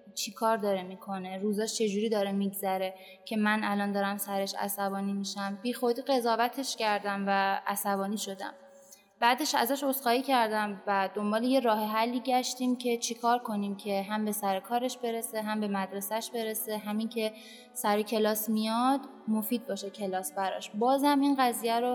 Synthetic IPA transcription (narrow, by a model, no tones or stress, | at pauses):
t͡ʃʰikʰɒːɾd̪ɒːɾemiːkʰo̞ne̞ɾuːzɒːʃt͡ʃʰe̞d͡ʒuːɾiːd̪ɒːɾemiɡzæɾe̞ | cʰe̞mænælɒːnd̪ɒːɾæmsæɾe̞ʃæ̰sæbɒːniːmiʃæmbiːxo̞d̪iːɣe̞zɒːvæt̪ʰe̞ʃcʰæɾd̪æmvæʔæsæβɒːniːʃo̞d̪æ̰m | b̥æːd̪e̞ʃæ̰zæʃo̞sxɒːiːcʰæɾd̪æmvæd̪o̞mbɒːleje̞ɾɒːɦeɦælːiːɟæʃt̪imcʰe̞t͡ʃʰikʰɒːɾkʰo̞nimcʰe̞ɦæmbe̞sæɾekʰɒːɾe̞ʃbe̞ɾe̞se̞ɦæmbe̞mæd̪ɾe̞sæʃbe̞ɾe̞se̞ɦæmiŋcʰe̞ | sæɾecʰe̞lɒːsmijɒd̪mofiːd̪̚bɒːʃecʰe̞lɒːsbæɾɒ̰ʃbɒːzhæminɢæziːjæɾo